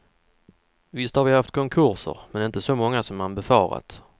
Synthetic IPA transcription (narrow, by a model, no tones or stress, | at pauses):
vɪst̪hɑɾvɪhaft̪kʰɔŋkʰɵɾʂə̰ɾmɛnɪnt̪əsɔmɔŋːasɔmanbɛfɑ̰ːɾa̰t̪